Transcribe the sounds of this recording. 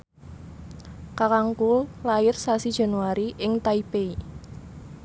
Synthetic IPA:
kakaŋkullaɪrsasid̥ʒ̥a̤nuaɾiʔɪŋt̪aipei

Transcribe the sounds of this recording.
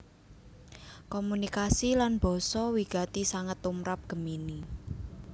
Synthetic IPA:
kɔmunikasilanb̥ɔ̤sɔwiɡ̥a̤t̪isaŋət̪ːumɾap̚ɡ̥ə̤mini

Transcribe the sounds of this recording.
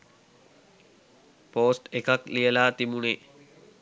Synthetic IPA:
poːsʈekaklijəlaːt̪imune

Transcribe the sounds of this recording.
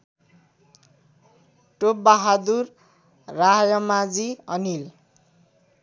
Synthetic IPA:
ʈop̚baɦad̪urː | ajʌmad͡ziʌnil

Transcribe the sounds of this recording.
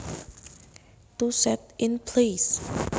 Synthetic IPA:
t̪usɛt̪̚ɪnpʰles

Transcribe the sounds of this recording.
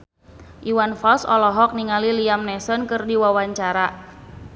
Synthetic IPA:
ʔiwanfɔlsɔlɔɦɔk̚niŋaliliamnɛsɔnkɨrdiwawaɲt͡ʃaɾa

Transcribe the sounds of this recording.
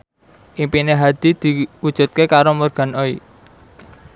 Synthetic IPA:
ʔimpineɦad̪̥i̤d̪̥i̤ud̥ʒ̥ṳt̪̚kekaɾomɔrɡ̥a̤noi

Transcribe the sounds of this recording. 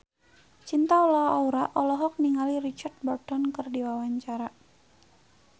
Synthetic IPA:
t͡ʃint̪aɔlɔɦɔauɾaʔɔlɔɦɔk̚niŋalirit͡ʃard̪̚bɔrd̥ɔnkərdiwawaɲt͡ʃaɾa

